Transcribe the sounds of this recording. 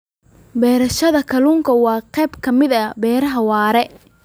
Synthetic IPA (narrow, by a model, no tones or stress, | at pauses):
bɛːɾɐʃɐðɐkʰɐluːŋkʰɐwɑːqɛːbkʰɐmɪðɐbɛːɾɐɦɐwɑːɾɛ